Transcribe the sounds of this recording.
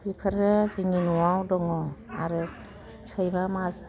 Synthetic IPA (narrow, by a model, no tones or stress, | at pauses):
ipʰɯɾɯzɯŋinuwawdɔŋɔaɾɯ | t͡ʃʰɯjbamas